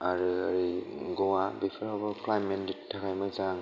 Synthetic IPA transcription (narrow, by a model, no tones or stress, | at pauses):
aɾɯaɾiɡɔwabipʰaɾhabɔklajmenditʰːakʰajmajzaŋ